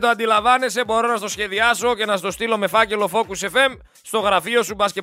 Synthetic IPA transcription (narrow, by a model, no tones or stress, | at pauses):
t̪oɐnd̪ilɐvɐne̞se̞bo̞ɾo̞nɐst̪o̞sçe̞ðiɐso̞ce̞nɐst̪o̞st̪ilo̞me̞fɐce̞lo̞fo̞kuse̞fe̞m | st̪o̞ɣɾɐfio̞subɐsce